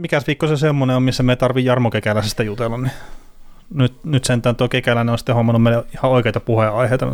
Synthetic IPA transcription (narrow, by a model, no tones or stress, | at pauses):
mikæsʋikːosesemːoneommisːæmeit̪ɑrʋijjɑrmokekælæsst̪ːæjut̪elːɑnni | nyt̪nyt̪sent̪æːnt̪okekælæneonsi̥t̪ːehomːɑnːummeilæihɑoikeˑit̪ɑpuheɑiheit̪ɑ